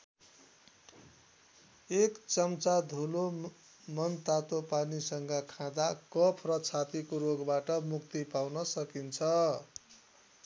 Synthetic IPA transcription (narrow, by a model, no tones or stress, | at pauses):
ekt͡sʌmt͡sad̪ʱulo | mʌnt̪at̪opanisʌŋɡʌkʰãd̪akʌpʰrʌt͡sʰat̪ikoɾoɡbaʈʌmukt̪ipawnʌsʌkint͡sʰʌ